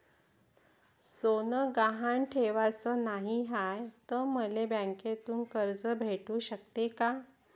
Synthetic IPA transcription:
sonəɡaɦaɳʈʰeʋat͡səːnaɦiɦajt̪əməlebãŋket̪uːnkəɾd͡zəbʱeʈuːɕəkt̪eka

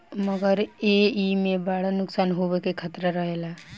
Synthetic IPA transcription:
məɡəɾeimẽbaːɽ̤ənʊksaːnɦobekekʰət̪ɾəɾəɦeːla

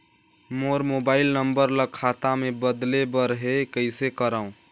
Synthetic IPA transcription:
moːɾmobaːɪlnəmbəɾləkʰat̪amẽbəd̪lebəɾɦekəɪsekəɾaːũ

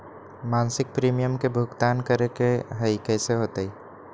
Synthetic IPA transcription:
mãːnsɪk̚pɾiːmijəmkebʱʊɡt̪aːnkəɾekeɦəikɛːseɦoːt̪ei

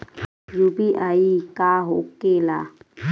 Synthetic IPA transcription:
jubiʔaikaːɦokela

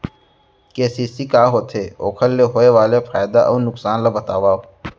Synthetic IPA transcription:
keːsiːsikaːɦoːt̪ʰeːoːkʰəlːeɦoːeʋaːlefʰaːjd̪a̰ʔɔ̰ːnʊksaːnlabʱɐt̪a̰ːʋaːo

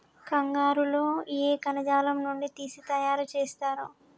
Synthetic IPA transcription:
kɐŋɡaːɾuloːieːkɐnɐd͡ʒaːlɐmnuɳɖit̪iːsit̪ɐjaːɾut͡ʃeːst̪aːɾu

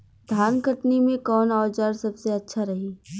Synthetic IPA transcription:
d̪ʱaːnɡʱəʈnimẽkɔːnɔːt͡ʃaɾsɐbseɐtːʃʰaɾɐɦiː

